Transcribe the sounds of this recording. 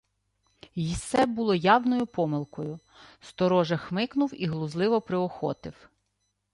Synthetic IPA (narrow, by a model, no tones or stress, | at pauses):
jist̪ːɛbʊlˠɔjɑwnɔjʊpɔmɪlˠkɔjʊ | st̪ɔɾɔʒɐxmɪknʊwiɦlˠʊzlˠɪʋɔpɾɪɔxɔ̰t̪ɪw